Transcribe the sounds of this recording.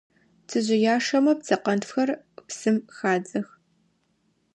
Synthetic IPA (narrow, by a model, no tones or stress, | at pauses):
tʰɨʑɪjaːʂɐmɐp̚t͡sɐqɐntfxɐr | psɨmxaːd͡zɐx